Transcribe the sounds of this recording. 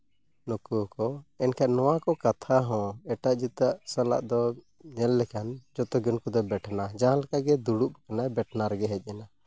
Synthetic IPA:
nukukɔɛnkʰaʔnɔwakɔkat̪ʰaɦɔ̃ɛʈaʔd͡ʒit̪aʔsala̰ʔd̪ɔ | nɛlːɛkand͡ʒɔt̪ɔɡɔnkɔd̪ɔbɛʈʰanad͡ʒaɦãlakaʔɡɛd̪uɽuʔkanabɛʈʰnaɾɛɡɛɦɛc̚ˀjɛna

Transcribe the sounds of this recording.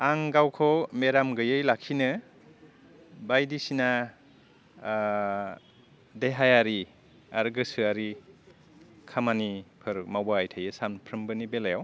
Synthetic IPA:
aŋɡawkʰɔmeɾamɡɯjɯjlakʰinɯ | bajdisina | deɦajaɾi | aɾɡɯsɯaɾi | kʰamanipʰɯɾmawaːjtʰajɯsanpʰɾɯmbɯnibelajaw

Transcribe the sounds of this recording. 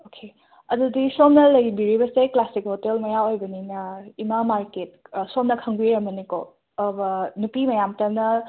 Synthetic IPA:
okʰe | ɐdudisomnɐlɐjbiɾibɐseklasik̚hotelmɐjaojbɐninɐimamaɾket̚somnɐkʰɐŋbiɾɐmɐniko | bɐnupimɐjamtɐnɐ

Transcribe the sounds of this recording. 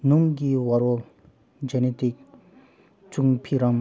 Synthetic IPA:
numɡiwaɾol | d͡ʑɛnet̪ik̚ | t͡ɕuŋpʰiɾaŋ

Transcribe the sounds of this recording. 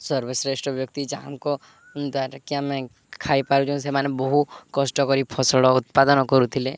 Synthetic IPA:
sɔɾbʱesɾesʈɔbjɔkt̪id͡ʒaɦamkɔ | d̪aʈakiãmɛ̃ | kʰaipaɾũd͡ʒɔ̃semanebɔɦukɔsʈɔkɔɾipʰɔsɔɽɔʊt̪̚pad̪ɔnɔkɔɾut̪ʰile

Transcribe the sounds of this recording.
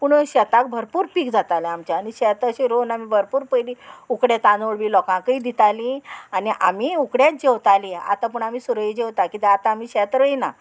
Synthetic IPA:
puɳɕɛt̪ak̚bʱəɾpuːɾpiːkd͡zat̪alɛamt͡ɕaaɽ̃iɕɛt̪əɕiɾonamibʱəɾpuːɾpəjliːukɽet̪ãnoɭʋiːlɔkãkəid̪it̪alĩaniʔamiːukɽjat̪̚d͡ʑewt̪alia̰t̪ap̬uɳamiːsuɾəid͡ʑeʋt̪akit̪eat̪aːmiːɕɛt̪ɾəina̰

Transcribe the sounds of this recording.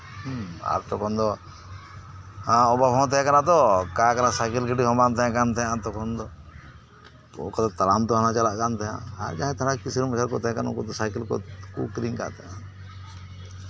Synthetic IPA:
a̰ɾt̪ɔkɔnd̪ɔ | aɔbabɔ̃t̪ɛɦɛ̃kanat̪ɔkaːkanasajkilkiʈiɦɔ̃bant̪ɛãkant̪ʰɛãt̪ɔkɔnd̪ɔ | o̰kat̪at̪alamt̪ɔɦanat͡ʃalaʔkant̪ʰɛjã̰aɾd͡ʒãɦɛ̃t̪ʰaɽakkisiɾməsaɾkɔt̪ɛɛ̃kanukɔt̪ɔsajkilkɔ̰kukɾiŋka̰ʔt̪ʰɛã

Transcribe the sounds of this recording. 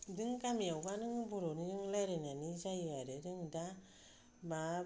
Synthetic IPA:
dɯŋkamiawbanɯŋbuɾoniɾɯŋlajɾenanizajɯaɾɯɾɯŋda | ma

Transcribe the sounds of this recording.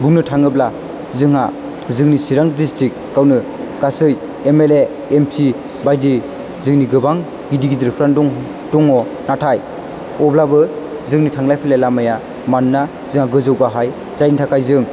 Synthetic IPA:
buŋnɯtʰaŋɯbla | zɯŋɦa | zɯŋnisiɾaŋdistɾik̚ | kawnɯ | ɡ̥asɯj | emele | emsi | bajdi | zɯŋniɡɯbaŋ | ɡidiɡidɯɾpʰɾandɔŋ | d̥ɔŋɔ | natʰaj | ɔblabɯ | zɯŋnitʰaŋlajpʰilalamaja | manːa | zɯŋaɡɯzɯwɡaɦaj | zajnitʰakajzɯŋ

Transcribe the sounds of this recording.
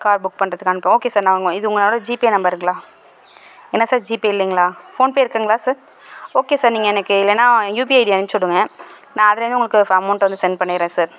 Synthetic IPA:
kaːɾbʊk̚ːpɐɳɖɾɐðɯkːaɐnɯpːẽoːkeːsaːɾnãːʋɐŋɡɐ̃ɪðɯʊŋɡɐnoːɽɐd͡ʒiːpienɐmbɐɾɾɯŋɡɐɭaː | ɛnːɐsaːɾd͡ʒiːpiɪlːiŋɡɐɭaːfoːnpoːjɪɾɯkːɐŋɡɐɭaːsaːɾ | oːkeːsaːɾniːŋɡɐɛnɐkːɯɪlːɐnːaːjuːp̬iɐɪɖiɐnnsɔɭːɯŋɡɐnãːɐðɯlɾnɯʊŋɡɐɭɯkːɯɐmɐʊɳʈʋɐnd̪ɯsɛnɖpɐɳːɪɪɾẽːsaːɾ

